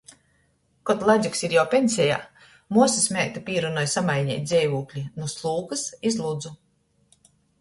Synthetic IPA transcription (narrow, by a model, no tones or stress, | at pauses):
kɔt̪lˠazʲuksiɾjawpʲensʲɛja̰ː | muɔsismʲɛːk̚t̪apʲiːɾunɔjsamajɲʲɛ̰ːjt̪d̪zʲɛjvuːklʲinuslˠuːkɨsizlˠud̪zu